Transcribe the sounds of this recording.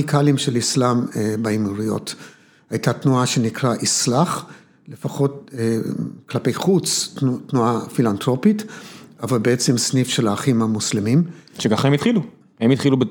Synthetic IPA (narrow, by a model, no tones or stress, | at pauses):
ikʰalimʃelislambaimuʁijo̞̰t | hajtatnuaʃe̞nikʁaʔislaχ | lefaχo̞t | klape̞jχut͡stnuafilantʁo̞pitavalbeet͡semsnifʃe̞laːχimhamuslemimʃeɡaχemitχilu | hemit̪χilube